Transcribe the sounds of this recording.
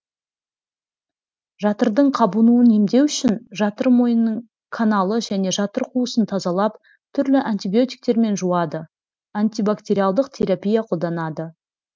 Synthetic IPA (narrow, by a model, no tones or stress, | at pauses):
ʒɑt̪əɾd̪əɴqʰɑbənuənemd̪e̞wʏʃɪnʒɑt̪əɾmo̞jənːəɴ | kʰanalˠəʒæne̞ʒɑt̪əɾqʰuəsənt̪ʰɑzɑlˠɑp | t̪ʰʏɾlɪʔanʲt̪ibijo̞t̪i̥jk̚t̪e̞ɾme̞nʒuɑd̪ə | ant̪ijbakt̪ʲe̞ɾʲijalˠd̪əqt̪ʲʰe̞ɾapʲijaqʰo̞lˠd̪ɑnɑd̪ə